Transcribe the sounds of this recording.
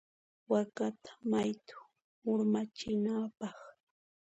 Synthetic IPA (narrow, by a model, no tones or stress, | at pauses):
wakat̪ḁmajt̪ʊ̥ | ʊɾmat͡ʃɪnaːpɑχ